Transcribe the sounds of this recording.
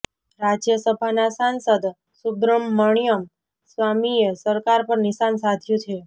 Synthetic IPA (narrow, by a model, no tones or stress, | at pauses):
ɾad͡ʒjəsəbʱanasansəd̪ | subɾəmːəɳ̃ijəm | sʋamijəsəɾkaɾpəɾnisansat̪ʰjũtʰe